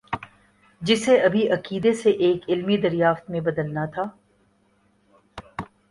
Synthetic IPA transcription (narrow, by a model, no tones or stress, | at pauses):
d͡ʒɪseɐbʱiʔɐqiːd̪eseʔeːkɪlmid̪ɐɾjaːft̪mẽbɐd̪əlnat̪ʰaː